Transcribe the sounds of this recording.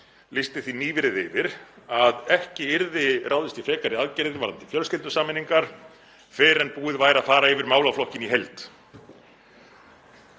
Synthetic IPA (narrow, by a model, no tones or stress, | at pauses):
lɪst̪ɪθiniːvɪɾɪðɪvɪɾ̥aðɛhcɪɪɾðɪraːwðɪst̪ifɛːkaɾɪaðcɛɾðɪvaɾðant̪ɪ̥fjœlscɪlt̪ʏsaːmɪnːiŋkaɾ̥ | fɪːɾɛnpuːɪðvaːjɾaðfaːɾaɪvɪɾmaːwlawflɔhcɪniɦelt̪